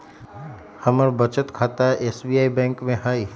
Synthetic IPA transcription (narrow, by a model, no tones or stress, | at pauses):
hɐməɾbət͡ʃət̪kʰaːt̪aɛʔeːsbiːaːibɛ̃ːŋkmẽɦaːi